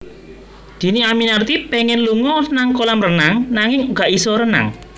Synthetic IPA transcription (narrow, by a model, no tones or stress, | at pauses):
d̪̥i̤niaminart̪ipɛŋɛnluŋɔnaŋkolamrənaŋnaŋɪŋuɡ̥a̤ʔisɔɾəna̰ŋ